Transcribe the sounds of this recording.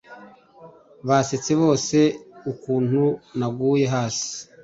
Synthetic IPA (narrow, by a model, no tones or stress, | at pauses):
βase̞t͡se̞βo̞ːse̞ukuːn̥hunaɡuːje̞ɦaːsi̥